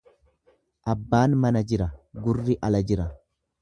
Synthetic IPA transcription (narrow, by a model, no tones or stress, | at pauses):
ʔɐbːaːnmɐnɐd͡ʒɪɾɐɡʊrːɪʔɐlɐd͡ʒɪɾɐ